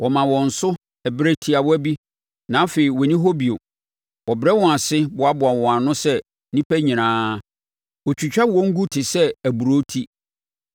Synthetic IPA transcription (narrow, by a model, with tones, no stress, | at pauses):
wʔɔ˨mã˨wɔ̃˨n̩˨sʊ˦ | ɛ˨bɾe˦tʰi˨a˨wɔ˦æ˦bi˦ | nã˨˦fe˨i˨wɔ˨nĩ˦ɦo˦bi˨o˨ | wɔ˨bɾɛ˦wɔ̃˨a˨sɪ˦bʊ˨˦a˦bʊ˨a˨wɔ̃˨a˨nʊ̃˦sɛ˦ | nĩ˦pʰæ˦ɲĩ˨ñãː˦ | ɔ˨t͡ɕʰᶣu˨t͡ɕᶣa˦wɔ̃˦ŋ̩˦ɡu˦tʰɪ˨sɛ˦æ˨bu˨ɾo˦tʰi˦